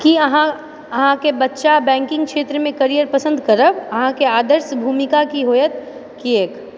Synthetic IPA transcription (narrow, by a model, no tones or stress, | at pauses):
kiɐɦã | ɐɦãkebɐtːʃabɛ̃ːŋkɪ̃ŋɡkʃeːt̪ɾəmẽkɐɾijəɾpɐsə̃nd̪kɐɾəbɐɦãkeaːd̪əɾʃbʱuːmɪkakiɦoːjət̪ | kieːk